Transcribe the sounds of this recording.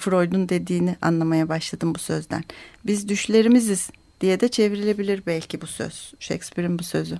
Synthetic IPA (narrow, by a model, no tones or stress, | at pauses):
fɾo̞jd̪und̪e̞d̪iːniʔa̰nlˠamajabaʃlˠad̪ɯmbusø̞zd̪æ̰nbizd̪yʃlʲe̞ɾimiziz̥ | d̪̥ijɛd̪ɛt͡ʃʰe̞viɾilʲe̞bilʲiɾbælʲcʰibusø̰z̥ʃɛ̰kspiɾinbusø̞zy